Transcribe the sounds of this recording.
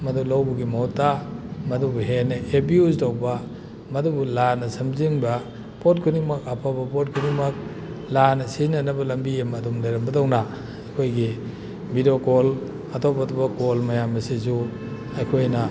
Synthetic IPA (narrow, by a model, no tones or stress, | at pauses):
mɐdulawbuɡimɐhɔtːamɐdubuɦenɐʔebiuztowbɐ | mɐdubulanɐsɐmziŋbɐ | pot̚kʰuniŋmɐkapʰabɐpot̚kʰuniŋmɐk̚ | lanɐsinɐnɐbɐlɐmbiemɐdumleɾɐmbɐdawna | ɐjkʰojɡi | bidokol | ɐtʰobatubɐkolmɐjamɐsizu | ɐjkʰojnɐ